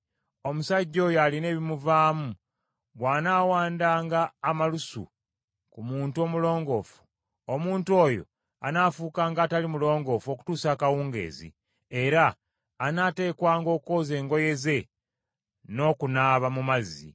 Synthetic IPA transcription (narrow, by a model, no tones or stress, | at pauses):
o̞musaɟːo̞jaline̞ːβimuvaːmu | βwaːnaːwaːndaːŋɡaːmalusṵ | kumuːntuo̞mulo̞ːŋɡo̞ːfu̥ | omuːntuo̞ːjo̰ | a̰naːfuːkaːŋɡaːtalimulo̞ːŋɡo̞fo̞ku̥tuːsaːkawuːŋɡe̞̰ːzḭ | eɾaː | naːte̞ːkwaːŋɡo̞ːko̞ːze̞ːŋɡo̞je̞ze̞ | no̞ːkunaːβamumazḭ